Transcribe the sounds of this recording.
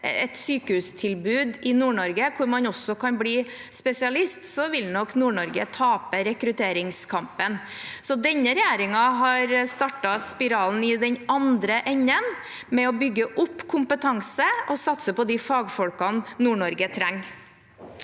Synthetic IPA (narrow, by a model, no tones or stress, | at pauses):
ɛt̪syːkəhʉːst̪ʰɪlbʉːd̪ɪnuːɳɔɾɡəkʰʊɾmɑnɔsːɔkʰɑnbliː | spɛsɪɑlɪst̪sɔʋɪlnɔknuːɳɔɾɡə̰t̪ʰɑːpəɾɛkɾʉt̪ʰeːɾɪŋskʰɑmpən | sɔd̪ɛnːəɾɛjeːɾɪŋɑɦɑɾst̪ɑʈɑspɪɾɑːln̩ɪd̪ɛɲɑnd̪ɾəʔɛɲːən | mɛɔbʏɡːəʔʊpːkʰʊmpət̪ʰɑŋsəʔɔsɑt̪səpɔd̪ifɑːɡfɔlkɑnnuːɳɔɾɡət̪ʰɾæŋː